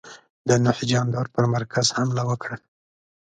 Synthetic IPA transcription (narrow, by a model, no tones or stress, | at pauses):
d̪ənʊħd͡ʒɑnd̪ɑɾpəɾmaɾkʰazhamlawəkɽa